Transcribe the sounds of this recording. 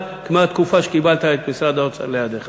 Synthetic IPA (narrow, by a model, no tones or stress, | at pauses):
kmat̪kufaʃe̥kibalt̪aet̪misʁad̪aot͡sa̰lejad̪eχa